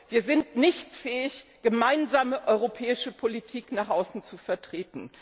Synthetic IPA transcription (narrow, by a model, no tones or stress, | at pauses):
viːɐzɪntnɪçtfɛːɪçɡ̥əmaɪnzaːməʔɔʏʁopʰɛːɪʃəpʰolitʰiːknaːχʔaʊsn̩t͡sufɛɐtʁ̥eːtn̩